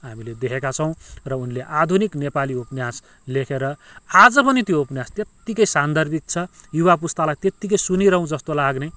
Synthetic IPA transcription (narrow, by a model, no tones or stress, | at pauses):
ɦamiled̪ekʰekat͡sʰʌw̃rʌunleʔad̪ʱuniknepaliupnjas | lekʰeɾʌad͡zʌpʌnit̪joupnjast̪jet̪ːikʌjsand̪ʱʌrbʱik̚t͡sʰʌjuwap̬ust̪alajt̪jet̪ːik̬ʌjsuniɾʌɦũd͡zʌst̪olaɡne